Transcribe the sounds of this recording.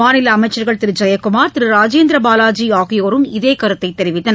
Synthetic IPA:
aːnɪlɐːmɐɪt͡ʃːɐɾɣɐɭt̪ɪɾɯd͡ʒɐjɐkʊmaːɾt̪ɪɾɯɾaːd͡ʒeːnd̪ɾɐbaːlaːd͡ʒiaːɣɪjoːɾɯmɪðeːkɐɾɯt̪ːɐɪt̪ːɛɾɪʋɪt̪ːɐn

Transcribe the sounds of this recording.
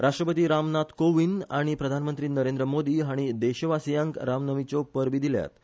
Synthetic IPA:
ɾaʂʈɾəpət̪iːɾamnat̪koʋinaɽ̃ipɾəd̪ʱanmənt̪ɾiːnəɾend̪ɾəmod̪iːɦaɽ̃id̪eɕəʋasjãŋkɾamnəʋit͡ɕopəɾʋiːd̪ilja̰t̪

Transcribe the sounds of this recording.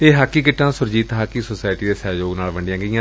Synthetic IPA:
eːɦaːkːiːkɪʈːãːsʊɾd͡ʒiːt̪ɦaːkiːsoːsaːɪʈiːd̪eːsɛːd͡ʒoːɡnaːlʋəɳɖɪjãːɡəijãː

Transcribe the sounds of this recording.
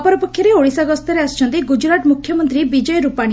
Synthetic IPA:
pɔɾɔpɔkʰːjɔɾeoɽisaɡɔst̪ɔɾeast͡ʃʰɔ̃nt̪iɡud͡ʒɾaʈmukʰjɔmɔnt̪ɾibid͡ʒɔjɾupaɽ̃i

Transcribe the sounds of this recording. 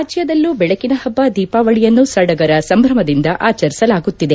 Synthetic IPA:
aːd͡ʒjɐd̪ɐlːuːbɛɭɐkinɐhɐbːad̪iːpaːʋɐɭijɐnːusɐɽɐɡɐɾɐsɐmbʱɾɐmɐd̪ind̪ɐʔaːt͡ʃɐɾisɐlaːɡut̪ːid̪e

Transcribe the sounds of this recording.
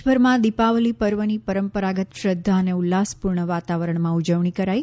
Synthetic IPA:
bʱəɾmãd̪ipaʋlipəɾʋənipəɾəmpəɾaɡət̪ʃɾəd̪ʱːaəneulːaspuɾɳəʋat̪aʋəɾəɳmãud͡ʒəʋɳ̃ikəɾaj

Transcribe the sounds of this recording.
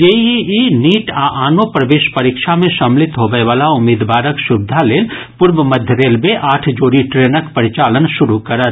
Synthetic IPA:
jeiiniːʈaʔaːnopɾɐʋeːʃpɐɾikʃamẽʃɐmlɪt̪ɦoːbəeʋaːlaʊmːiːd̪ʋaːɾəkʃʊb̚d̪ʱaleːl | pʊɾʋəmɐd̪ʱjəd̪eːlbeʔaːʈʰd͡ʒoːɾiʈɾeːnəkpəɾɪt͡ʃaːlənʃʊɾukɐɾət̪

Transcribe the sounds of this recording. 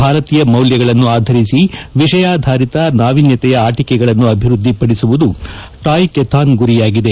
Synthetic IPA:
bʱaːɾɐt̪iːjɐmɐwljɐɡɐɭɐnːuaːd̪ʱɐɾisiʋiʂɐjaːd̪ʱaːɾit̪ɐnaːʋinjɐt̪ɛjɐaːʈikɛɡɐɭɐnːuɐbʱiɾud̪ʱːipɐɽisuʋud̪u | ʈaːjkɛt̪ʰaːnɡuɾijaːɡid̪e

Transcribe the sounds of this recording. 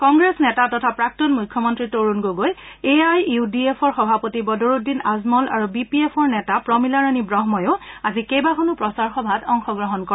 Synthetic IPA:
kɔŋɡɹesnɛtatɔtʰapɹak̚tɔnmujkʰːjɔmɔntɹitoɹunɡoɡoj | eajudiepʰɔɹxɔbʱapɔtibɔdoɹudːinazmɔla̰ɹubipiepʰɔɹnɛtapɹɔmilaɹanibɹɔɦmɔjʊazikejbakʰɔnupɹɔsaɹxɔbʱatɔŋxɔɡɹɔɦɔnkɔ

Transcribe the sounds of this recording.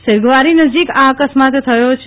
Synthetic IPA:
sɪɾɡʋaɾinəd͡ʒikaəkəsmat̪t̪ʰəjot͡ʃʰ

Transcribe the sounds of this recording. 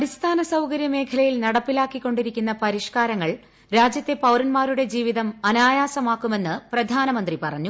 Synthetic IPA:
ɐɾist̪ʰaːnɐsɐwkɐɾjɐme̞ːkʰɐlɐjilnɐɽɐpːilaːkːikːo̞ɳɖiɾikʲːunːɐpɐɾiʂkaːɾɐŋːɐɭ | ɾaːd͡ʑjɐt̪ːe̞pɐwɾɐnmaːɾuɽe̞d͡ʑiːʋiðɐmɐnaːjaːsɐmaːkːume̞nːɨprɐd̪ʱaːnɐmɐnd̪ripɐrɐɲːu

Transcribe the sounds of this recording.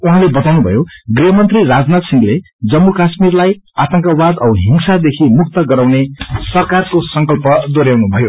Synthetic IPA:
uɦãlebʌt̪awnubʱʌ̰joɡriɦʌmʌnt̪rirad͡znat̪siŋɡle | d͡zʌmːukasmirlajat̪ʌŋkabad̪ʌɦiŋsad̪ekʰimuk̚t̪ʌɡʌɾawnesʌrkarkosʌŋkʌlpʌd̪oɾjawnubʱʌjo

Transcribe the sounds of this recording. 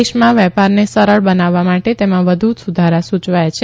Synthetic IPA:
eʃmãʋɛpaɾnesəɾəɭbənaʋːamaʈet̪emãʋəd̪ʱusud̪ʱaɾasut͡ʃʋajat͡ʃʰ

